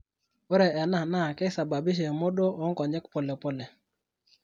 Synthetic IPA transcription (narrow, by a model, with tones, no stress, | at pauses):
o˦ɾɛ˨ʔɛ˨na˦˨na˦˨kɛ˦sa˨ba˨bi˦ʃ̬e˨mo˦ɗo˦ʔo˨˦ŋkɔ˨ɲɛ˦kpɔ˨lɛ˨po˦lɛ˨